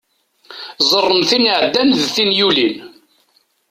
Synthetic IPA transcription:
zˤərˤːəmθiniʕd̪ːænðθinjulin

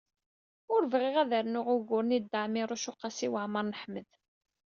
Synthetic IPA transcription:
ʊɾvʁɪʁæðəɾnʊʁʊʝɣʊɾnid̪ːaʕmiɾˤʊʃʊqːɑsiwəʕməɾˤnəħməð

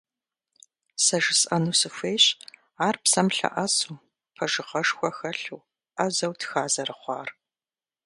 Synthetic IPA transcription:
sɐʒɪsʼʔɐnuːsɨfʷeːɕ | aːrpsɐmɬɐ̰ʔɐsuː | pʰɐʒɨʁɐʂxʷɔxɐɬuː | ʔɐzɐwtxaːzɐrɨχʷɑ̰ːr

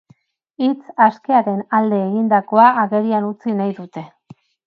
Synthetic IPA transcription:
it͡saske̞aɾe̞nald̪e̞ːɣind̪ako̞aːɣe̞ɾianut͡sinajðut̪e̞

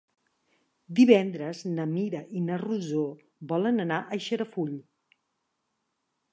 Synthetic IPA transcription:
d̪iβɛnd̪ɾəznəmiɾəʔinəruzo | bɔlənənaʔəʃəɾəfuʎ

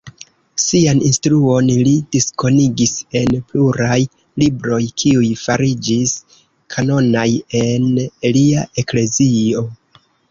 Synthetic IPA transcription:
sianinstɾuo̞nlid̥isko̞niɡise̞npluɾaj | libɾo̞jkʰiujfaɾid͡ʒis | kʰano̞naje̞neliaʔe̞kle̞zio̞

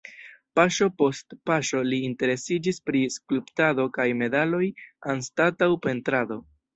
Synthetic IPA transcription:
paʃopo̞stpaʃo̞liːnte̞ɾe̞sid͡ʒispɾiskuluptado̞kajme̞dalo̞janstatawpe̞ntɾado̞

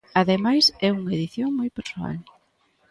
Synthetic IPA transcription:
aðemajsɛuŋɐeðiθjoŋmojpeɾsoa̰l

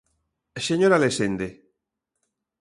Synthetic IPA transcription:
seɲoɾalesend̪e

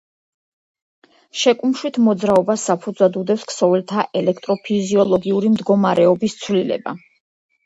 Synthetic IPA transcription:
ʃɛkʼumʃwit̪ʰmɔd̪zɾaɔbasapʰud̪zwad̪ud̪ɛpsksɔvɛlt̪ʰaʔɛlɛkʰt̪ʼɾɔpʰiziɔlˠɔɡiuɾimd̪ɡɔmaɾɛɔbist̪sʰwlilɛ̰ba̰

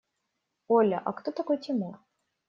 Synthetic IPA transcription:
olʲəʔɐ̰kt̪ot̪ɐko̞jtʲɪmur

